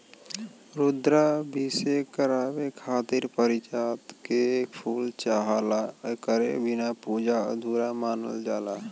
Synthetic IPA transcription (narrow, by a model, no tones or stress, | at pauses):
ɾʊd̪ɾabʱisekəɾaːbekʰaːt̪iɾpəɾɪt͡ʃaːt̪kepʰuːlt͡ʃaɦalakəɾḛbɪnapuːd͡ʒa̰d̪ʱuːɾamaːnə̰ld͡ʒaːlaː